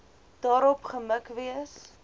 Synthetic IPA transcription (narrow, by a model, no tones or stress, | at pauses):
d̥ɑːɾɔpχəməkviəs